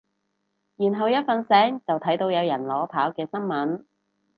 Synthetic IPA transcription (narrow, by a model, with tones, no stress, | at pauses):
jiː˨˩nɦɐ˨wjɐ˥t̚fɐ˨nsɛː˨˥ŋt͡sɐ˨wt̪ʰɐ˨˥jt̪o˧wjɐ˨˧wjɐ˨˩nlɔː˨˧pʰaː˨˥wkɛː˧sɐ˥ŋmɐ˨˥n